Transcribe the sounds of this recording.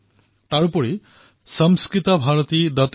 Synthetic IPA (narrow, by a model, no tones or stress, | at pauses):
t̪aɾupɔɾi | sʌmskɾit̪ɔbʱaɾɔt̪id̪ɔt̪